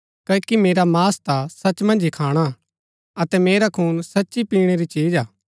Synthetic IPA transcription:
kɐːkimeːɾamaːst̪asɐt͡ʃmɐ̃nd͡ʒikʰaːɽ̃a | ɐt̪ɛmeːɾakʰuːnsɐtːʃipiːɽ̃eɾit͡ʃiːd͡ʒaː

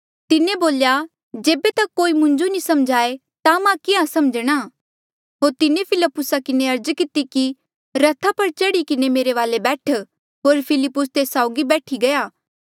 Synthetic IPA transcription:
t̪ɪnẽboːlja | d͡ʒeːbet̪ɐkːoːimʊ̃ɲd͡ʒonisɐmd͡ʒʱaːe | t̪amãkɪãsɐmd͡ʒɽ̃a | ɦoːɾt̪ɪnepʰɪləpːʊsakɪneɐɾd͡ʒkɪt̪iki | ɾɐt̪ʰapɐɾt͡ʃɐɽikɪnemeːɾeʋaːlebɛːʈʰ | ɦoːɾpʰɪlɪpːʊst̪eːsaːʊɡibɛːʈʰiɡɐjaː

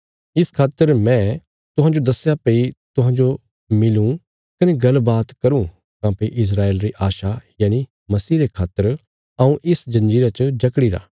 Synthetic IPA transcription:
ɪskʰaːt̪ːəɾmɛ̃ | t̪ʊɦãːd͡ʒod̪ɐsːjapeit̪ʊɦãːd͡ʒo | mɪlũ | kɐneɡɐlbaːt̪kɐɾũ | kãːpeiʔɪs̬ɾaːeːlɾiʔaːʃajaːni | mɐsiːɾekʰaːt̪ːəɾ | ɐũʔɪsd͡ʒɐ̃nd͡ʒiːɾat͡ʃd͡ʒɐkɽiɾa̰ː

